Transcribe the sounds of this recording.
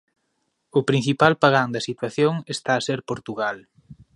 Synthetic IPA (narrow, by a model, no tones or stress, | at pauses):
ʊpɾin̟θipalpaɣand̪ɐsit̪waθjoŋest̪aːseɾpoɾt̪uɣal